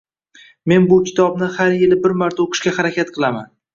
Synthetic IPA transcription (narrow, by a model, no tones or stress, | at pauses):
me̞nbʊkʲɪ̥t̪ʰɒb̚nɪhaɾjɪlɪbɪɾmaɾt̪ʰaoqʰɨʃkʲahaɾakʲʰat̪̚qʰɨlˠama̰n